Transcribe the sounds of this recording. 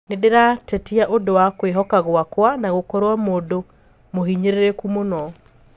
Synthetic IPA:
nedeɾatɛtiaʔodowakweɦɔkaɣwakwanaɣokɔɾowamodo | mohiɲeɾeɾekumonɔ

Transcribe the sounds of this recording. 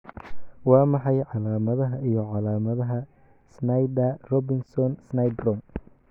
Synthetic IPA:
wɑːmɑħɑjʕɑlaːmɐðɐɦɐijɔʕɑlaːmɐðɐɦɐ | snɐjd̪ɐrɔbɪŋsɔnsnɐjd̪rɔm

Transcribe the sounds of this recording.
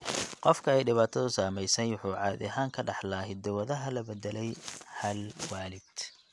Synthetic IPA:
qɔfkʰɐɛjɖɪβaːt̪ʰɐðʊsaːmɛjsɛjwʊħuːʕɑ̰ːðɐɦaːŋkʰɐɖɑħlaːɦɪd̪ɐwɐðɐɦɐlɐbɛðɛlɛjhɐlwaːlɪd̪̥

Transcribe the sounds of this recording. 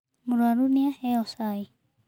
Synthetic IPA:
muɾaɾuniaheosai

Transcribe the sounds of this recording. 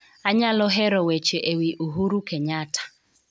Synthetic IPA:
aɲalʊɦɛɾɔwet͡ʃeʔewiʔuɦuɾukeɲatḁ

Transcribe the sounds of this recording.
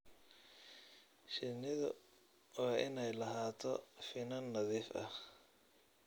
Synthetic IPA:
ʃɪnɪðʊ | waːʔɪnɛjlɐɦaːt̪ʰɔfɪnɐnːɐðiːfɐ̰

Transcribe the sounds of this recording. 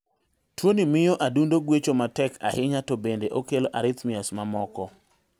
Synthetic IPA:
twonimɪjoʔadundoɡwet͡ʃomatɛka̰hɪɲatobendeʔokeloʔaɾɪt̪mɪasmamɔkɔ

